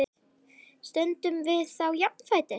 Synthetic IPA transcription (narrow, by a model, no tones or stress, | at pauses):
ɪ | st̪ɛnt̪ʏmvɪðθawjak̚nfaːjt̪ɪ